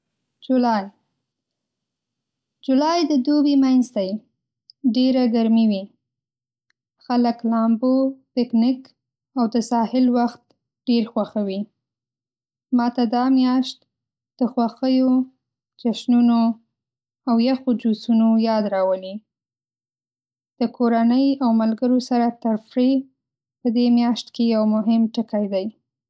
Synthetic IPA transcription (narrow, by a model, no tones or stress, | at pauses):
d͡ʒulɑj | d͡ʒulɑjd̪əd̪obimanzd̪aj | ɖeɾaɡaɾmiwi | xaləklɑmbopɪknɪk | awd̪əsɑhɪlwaxt̪ | ɖ̥eɾxwaxawi | mɑt̪ad̪ɑmjɑʃt̪ | d̪̥əxwaxəjo | t͡ʃaʃnuno | awjaxod͡ʒusunojɑd̪ɾɑwəni | d̪̥əkʰoɾanəjawmalɡəɾosaɾat̪əɾfɾe | pəd̪emjɑʃt̪kejawmʊɦɪmʈəkajd̪aj